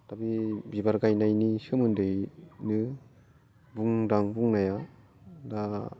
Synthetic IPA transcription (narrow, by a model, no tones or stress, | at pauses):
tabibibaɾɡajnajnisɯmɯndɯjnɯ | buŋdaŋbuŋnaja | da